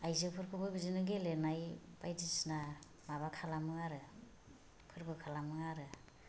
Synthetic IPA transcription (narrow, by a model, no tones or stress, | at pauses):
ajzɯpʰɯɾkʰɯbɯbizinɯɡelenajb̥ajdisna | maβakʰalamɯŋaɾɯ | pʰɯɾbɯkʰalamɯŋaɾɯ